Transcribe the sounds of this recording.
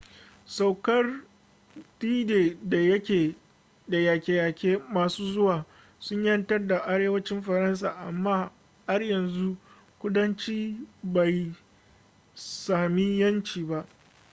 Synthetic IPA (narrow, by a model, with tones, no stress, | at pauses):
sa˨wkɐ˦r | tiː˦deː˨da˨jɐ˦kʲeː˨ | da˨ja˨kʲeː˨a˨kʲeː˦maː˨suː˦zʊ˦waː˨ | sʊ˦ɲjɐ˦ntɐ˦rda˨ʔa˦ɽeː˦wɐ˦t͡ʃɪ˦mɸɐ˨ɾɐ˦ns̬aː˨ʔa˨mːaː˦ | ha˦rjɐ˨nzu˦ʔ | kʷʊ˦dɐ˦nt͡ʃiː˦ba˨j | saː˨mi˦jɐ˦nt͡ʃiː˨ba˦ʔ